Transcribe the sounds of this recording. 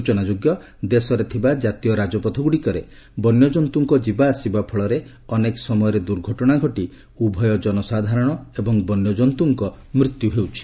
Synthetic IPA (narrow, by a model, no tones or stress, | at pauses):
ut͡ʃɔnad͡ʒoɡjɔ | d̪esɔɾet̪ʰibad͡ʒat̪ijɔɾad͡ʒɔpɔt̪ʰɔɡuɽikɔɾe | bɔnjɔd͡ʒɔnt̪uŋkɔd͡ʒibaːsibapʰɔɭɔɾe | ɔnekɔ̥sɔmɔjɔɾed̪uɾɡʱɔʈɔɽ̃aɡʱɔʈi | ubʱɔjɔd͡ʒɔnɔsad̪ʱaɾɔɽ̃ɔebɔŋbɔnjɔd͡ʒɔnt̪uŋkɔ | mɾit̪juɦewt͡ʃʰi̥